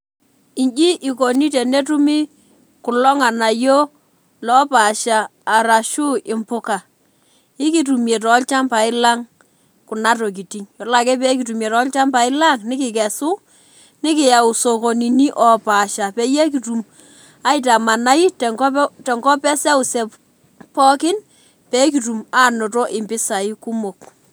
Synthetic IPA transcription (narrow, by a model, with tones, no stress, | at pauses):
i˨ɲd͡ʒi˦ʔɪ˨ko˨ni˦te˨ne˦tu˦mi˦ | ku˨lɔ˦ŋa˨na˨jo˦ | lɔ˨˦pa˨ʃaː˨ɾa˨ʃu˦ɪ˨mpʊ˦ka˨ | ɪ˦ki˦tu˨mje˨tɔ˨˦lt͡ʃa˦mpa˨ɪ˦la˦ŋ | ku˨na˦t̬o˨k̬i˨ti˦ŋjɔ˨la˨kɛ˦pɛ˦k̬i˨tu˨mje˨tɔ˨˦lt͡ʃa˦mpa˨ɪ˦la˦˨ŋnɪ˦kɪ˨kɛ˨su˦ | nɪ˦kɪ˨ja˨u˨so˨ko˨ni˨ni˦ʔɔ˨pa˨ʃa˨pɛ˦je˦k̬i˨tu˨m | a˦ɪta˨ma˨na˦i˦tɛ˨ŋɡɔ˦tɛ˨ŋɡɔ˦pɛ˦sɛ˦u˨sɛ˨p | pɔ˦kɪ˦n | pɛ˦ki˨tu˨maː˦no˨tɔ˦ʔɪ˨mbɪ˦sa˨i˦ku˦mo˨k